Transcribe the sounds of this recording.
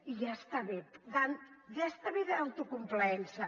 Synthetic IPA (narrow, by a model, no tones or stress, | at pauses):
iʒast̪aβetd̪anjast̪aβeðaawt̪ukumplɛnsɐ